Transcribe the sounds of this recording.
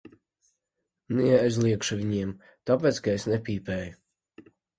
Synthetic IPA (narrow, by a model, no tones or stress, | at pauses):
niɛɛzʲlˠiɛkʃuvʲinʲiɛm | t̪ɔpʲɛt̪sɡɛsʲnɛpʲiːpɛj